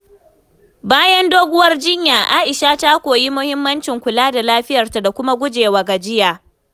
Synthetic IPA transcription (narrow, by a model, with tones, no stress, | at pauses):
baː˦jɐ˦ndoː˦ɡʷʊ˦wɐ˦rd͡ʒɪ˦ɲjaː˨ʔaː˦ʔɪ˨ʃaː˦ta˦kʷoː˨ji˦mʊ˦hɪ˦mːɐ˦nt͡ʃɪ˨ŋkʷʊ˨laː˦da˨laː˦ɸɪ˦jɐ˨rta˨da˨kʷʊ˦ma˦ɡʷʊ˦d͡ʒeː˨waː˨ɡa˨d͡ʒɪ˦jaː˨